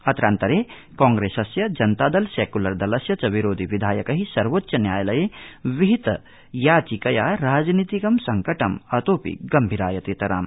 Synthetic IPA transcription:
ɐt̪ɾaːnt̪ɐɾeː | kãːŋɡɾeːsɐsjɐd͡ʒɐnt̪aːd̪ɐlseːkulɐɾd̪ɐlɐsjɐt͡ʃɐʋiɾoːd̪ʱiʋid̪ʱaːjɐkɐɦisɐɾʋot̪ːʃɐnjaːjɐlɐjeːʋiɦit̪ɐ | jaːt͡ʃikɐjaːɾaːd͡ʒnit̪ikɐmsɐŋkɐʈɐmɐt̪oːpḭɡɐmbʱiɾaːjɐt̪eːt̪ɐɾa̰ːm

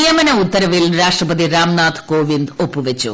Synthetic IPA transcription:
ijɐmɐnɐut̪ːɐɾɐʋilɾaːʂʈrɐpɐd̪iɾaːmnaːt̪ʰkoːʋind̪o̞pːuʋɐt͡ɕːṵ

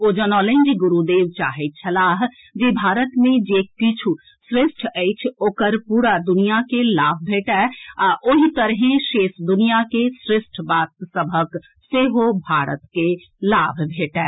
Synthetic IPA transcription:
od͡ʒənɔlẽnd͡ʒiɡuɾud̪ewt͡ʃa̰ɦɛt̪̚t͡ʃʰəlaɦ | d͡ʒebʱaɾət̪mẽd͡ʒekit͡ʃʰu | sɾesʈʰəɪt͡ʃʰokəɾpuɾad̪unijakelabʱbʱeʈɛaʔoɦit̪əɾɦẽʃesd̪unijakesɾesʈʰbat̪̚səbʱək | seɦobʱaɾə̰t̪ke | labʱbʱeʈɛ

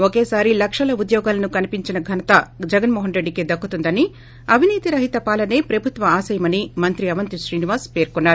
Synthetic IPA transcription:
oke̞ːsaːɾilɐkʂɐlɐud̪jɔːɡaːlɐnukɐnipiɲt͡ʃinɐɡʱɐnɐt̪ɐd͡ʒɛɡɐnmoːɦɐnɾe̞ɖːiked̪ɐkːut̪und̪ɐni | ɐbʱiniːt̪iɾɐɦit̪ɐpaːlɐne̞ːpɾɐbʱut̪ʋɐaːsɐjɐmɐnimɐnt̪ɾiɐʋɐnt̪iʃɾiːniʋaːspe̞ːɾkunːaːɾu

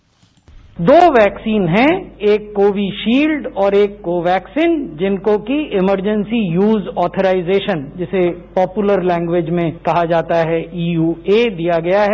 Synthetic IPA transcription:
d̪oːʋɛːksiːnɦɛ̃eːkːoːʋiʃiːlɖɔːɾeːkːoːʋɛːksiːnd͡ʒɪnkõkiɪməɾd͡ʒə̃nsijuːzɔːt̪ʰəɾaːɪzeːʃənd͡ʒɪsepɔːpjuʊləɾlɛ̃ːŋɡʋed͡ʒmẽkɐɦad͡ʒaːt̪aɦɛiːjuːeːd̪ijaɡɐjaɦɛ

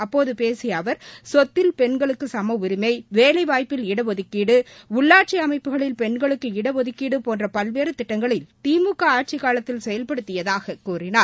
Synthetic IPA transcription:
ɐpːoːðɯpeːsɪjɐʋɐɾsɔt̪ːɪlpɛɳɡɐɭɯkːɯsɐmɐʊɾɯmɐɪʋeːlɐɪʋaːjpːɪlɪɽɐʋɔðɯkːiːɽɯʊɭːaːʈ̚t͡ʃiɐmɐɪpːɯɣɐɭɪlpɛɳɡɐɭɯkːɯɪɽɐʋɔðɯkːiːɽɯpoːndrɐpɐlʋeːɾɯt̪ɪʈːɐŋɡɐɭɪlt̪iːmɯkːɐaːʈ̚t͡ʃɪkaːɭɐt̪ːɪlsɛjɐlpɐɽɯt̪ːɪjɐðaːɣɐkuːrɪnaː

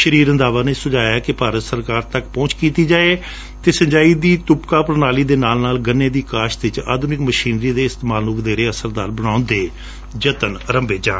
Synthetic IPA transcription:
ʃəɾiːɾə̃nd̪aːʋaːnẽːsʊd͡ʒaːjaːkɪpaːɾət̪səɾkaːɾt̪əkpɔ̃ːt͡ʃkiːt̪iːd͡ʒaːeː | t̪eːsəɲd͡ʒaːiːd̪iːt̪ʊpkaːpəɾnaːliːd̪eːnaːlnaːlɡənːeːd̪iːkaːʃd̪ɪt͡ʃa̰ːd̪uːnɪkməʃiːnɾiːd̪eːɪst̪maːlʊkd̪eːɾeːəsəɾd̪aːɾbəɽãːʊnd̪eː | d͡ʒət̪ənəɾəmbeːd͡ʒãː

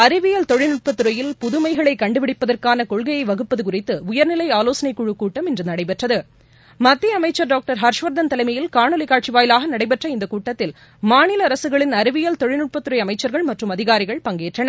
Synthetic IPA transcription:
ɐɾɯʋɪjɐlt̪ɔɻɪnɯʈ̚pɐt̪ːɯɾɐjɪlpʊðɯmɐɪɣɐɭɐɪkːɐɳɖɯpɪɽɪpːɐðɐrkaːnɐkɔɭɣɐjɐɪʋɐɣɯpːɐðɯkʊrɪt̪ːɯʊjɐɾnɪlɐɪaːloːsɐnɐɪkːuɻɯkːuːʈːɐmɪndrɯnɐɽɐɪpɛʈrɐðɯ | mɐt̪ːiɐɐmɐɪt͡ʃːɐɾɖaːk̚ʈɐɾɦɐɾʂʋɐɾd̪ɐnt̪ɐlɐɪmɐjɪlkaːɳɔlɪkaːʈt͡ʃiʋaːjɪlaːɣɐnɐɽɐɪpɛʈrɐɪnd̪ɐkuːʈːɐt̪ːɪl | maːnɪlɐːɾɐsɯɣɐɭɪnɐɾɯʋɪjɐlt̪ɔɻɪnʊʈ̚pɐt̪ːɯɾɐɪɐmɐɪt͡ʃːɐɾɣɐɭmɐʈrɯmɐðɪɣaːɾɪɣɐɭpɐŋɡeːʈrɐnɐ

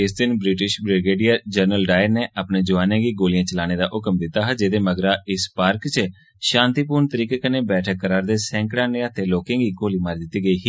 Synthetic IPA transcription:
ɪsd̪ɪnbɾɪʈɪʃbɾɪɡeːɖijaːd͡ʒəɾnəlɖaːɪɾneːʔəpneːd͡ʒʊʋaːnẽːɡiːɡoːlɪjãːt͡ʃəlaːñeːd̪aːʔʊkmd̪ɪt̪ːaːɦəd͡ʒeːd̪eːməɡɾaːɪspaːɾkt͡ʃə | ʃãːnt̪iːpuːɾnt̪əɾiːkeːkəneːbɛːʈʰəkːəɾaːɾd̪eːsɛ̃ːŋkɽãːnẽːət̪eːloːkãːɡiːɡoːliːmaːɾd̪ɪt̪ːiːɡəiːɦː

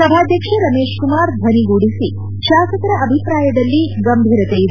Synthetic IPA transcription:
sɐbʱaːd̪ʱjɐkʂɐɾɐmeːʃkumaːɾbʱɐniɡuːɽisi | ʃaːsɐkɐɾɐʔɐbʱipɾaːjɐd̪ɐlːiɡɐmbʱiːɾɐt̪ejid̪

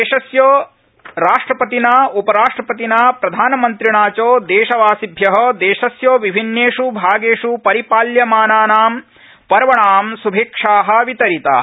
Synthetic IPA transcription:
eːʃɐsjoː | ɾaːʂʈɾɐpɐt̪inaupɐɾaːʂʈɾɐpɐt̪inaːpɾɐd̪ʱaːnɐmɐnt̪ɾiɳaːt͡ʃoːd̪eːʃɐʋaːsibʱjɐɦɐd̪eːʃɐsjoːʋibʱinːeːʂubʱaːɡeːʂupɐɾipaːljɐmaːnaːnaːm | pɐɾɐʋɐɳaːmsubʱeːkʂaːɦɐ̆ʋit̪ɐɾit̪a̰ː

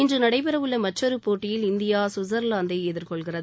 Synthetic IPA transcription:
ɪndrɯnɐɽɐɪp̬ɪɾɐʋɯɭːɐmɐt͡ʃːɐɾɯpːoːʈːɪjɪlɪnd̪ɪjaːsʊzɐɾlaːnd̪ɐɪɛðɪrkɔɭɣɪrɐð

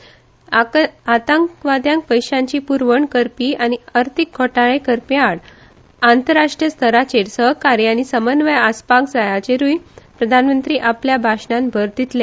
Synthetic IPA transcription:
at̪ãŋkʋad̪jãŋk̚pəjɕãɲt͡ɕiːpuɾʋəɳkəɾpiːañiəɾt̪ʰik̚ɡʰʱɔʈaɭẽkəɾpjaɽ | ant̪əɾaʂʈɾijəst̪ʰəɾat͡ɕeɽsəɦkaɾjañisəmənʋəjaspakd͡zajat͡ɕeɾujpɾəd̪ʱanmənt̪ɾiːʔapljabʱaɕɳãnbʱəɾd̪it̪lẽ

